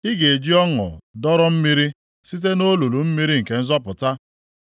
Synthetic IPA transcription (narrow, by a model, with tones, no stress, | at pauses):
i˦ɡe˨e˨d͡ʒi˦ɔ˦ŋɔ̰˨dɔ˦ɾɔ˦m̩˦mi˦ɾi˦ | si˦t̬e˦no˦lu˨lu˨m̩˦mi˦ɾi˦ŋ̩˨ke˨n̩˦zɔ˦pʊ˨ta˦